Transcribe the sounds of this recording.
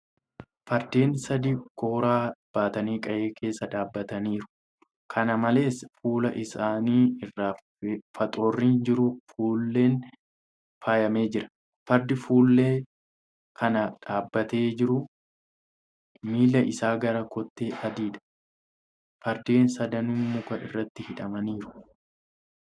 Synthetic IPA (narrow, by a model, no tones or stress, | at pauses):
fɐɾd̪e̞ːnsɐd̪iːko̞ːɾaːb̥aːt̪ɐniːkʼɐʔe̞ːkʰe̞ːsːɐᶑaːbːɐt̪ɐniːɾʊ̥ | kʰɐnɐmɐle̞ːsfuːlɐʔɪsaːniːɪrːaːf | fɐt̪ʼo̞ːrːiːnd͡ʒɪɾʊfuːlːe̞ːn | faːjɐme̞ːd͡ʒɪɾɐ̥ | fɐɾd̪ɪfuːlːe̞ː | kʰɐnɐᶑaːbːɐt̪e̞ːd͡ʒɪɾʊ | miːlːɐʔɪsaːɡɐɾɐkɔt̪ːeːʔɐd̪iːᶑɐ̥ | fɐɾd̪eːnsɐd̪ɐnumʊkɐɪ̰rːɐt̪ːɪhɪᶑɐmɐniːɾʊ̥